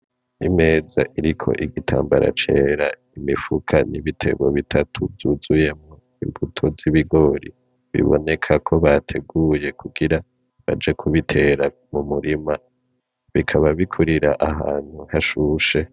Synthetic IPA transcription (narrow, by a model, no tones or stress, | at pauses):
nime̞ːza̰ʔiɾikʰo̞̰ʔiɡitʰa̰ːmbaɾa̰t͡ʃe̞ɾa | imifukʰanʔiβitʰe̞̰ɡo̞̰βitʰatʰuvjuːzuje̞mŋo | imbutʰo̞ziβiɡo̞ːɾi | βḭβo̞̰ne̞kʰakʰo̞βatʰe̞ɡuːje̞kʰuɡiɾa | βa̰d͡ʒe̞kʰuβitʰe̞ːɾa | mumuɾima | βikʰaβaβikʰuɾiɾaʔaɦa̰ːn̥huhaʃuʃe̞